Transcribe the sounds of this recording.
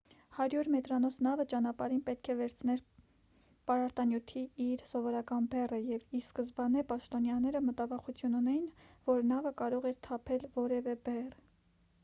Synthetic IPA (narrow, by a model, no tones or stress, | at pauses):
hɑɾjuɾmɛt̪ɾɑnɔsʰnɑvət͡ʃɑnɑpɑɾinpɛt̪̚kʰɛvɛɾt͡sʰnɛɾ | pɑɾɑɾt̪ɑnjut̪ʰiiɾsɔvɔɾɑkɑnbɛrəjɛviɾskəzbɑnɛpɑʃt̪ɔnjɑnɛɾəmət̪ɑvɑχut͡sʰjununɛjinvɔɾnɑvəkɑɾɔʁɛɾt̪ʰɑpʰɛlvɔɾɛvɛbɛr